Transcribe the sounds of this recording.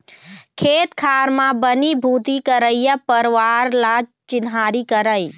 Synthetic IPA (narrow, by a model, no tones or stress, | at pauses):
kʰet̪kʰaɾmabənibʱut̪ikəɾəjjəpəɾʋaɾla | t͡ʃɪnɦaɾikəɾəj